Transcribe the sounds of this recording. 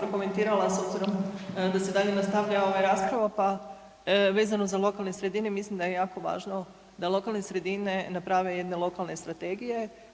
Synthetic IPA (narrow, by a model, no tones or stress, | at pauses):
ɾoko̞me̞nt̪iːɾalˠasobziɾo̞md̪ased̪aːʎe̞nast̪aʋʎao̞ʋajɾaːspɾaʋapa | ʋeːzano̞zalˠo̞kalˠnesɾe̞d̪ine̞mislimd̪ajejaːko̞ʋa̰ːʒno̞ | d̪alˠo̞kalˠne̞sɾe̞d̪ine̞napɾaʋe̞jed̪nelˠo̞kalˠne̞st̪ɾat̪e̞ɡije̞